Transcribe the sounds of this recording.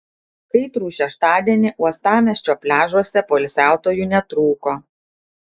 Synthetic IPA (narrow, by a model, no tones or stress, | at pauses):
kɐɪt̪ɾuːʃʲɛʃt̪ɑːd̪ʲiɛnʲɪʔuɔst̪ɑːmʲɛsʲt͡ʃʲoːpʲlʲæːʒuɔsʲɛpoːɪlʲsʲæˑʊt̪oːjuːnʲɛt̪ɾuːkoː